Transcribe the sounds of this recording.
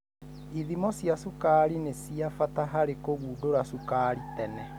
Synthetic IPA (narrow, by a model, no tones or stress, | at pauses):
iðimɔsijasukaːɾinesiafataɦaɾekoɣuːdoɾasukaːɾitɛnɛ